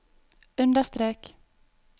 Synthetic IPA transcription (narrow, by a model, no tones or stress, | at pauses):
ʉnd̪əst̪ɾeːk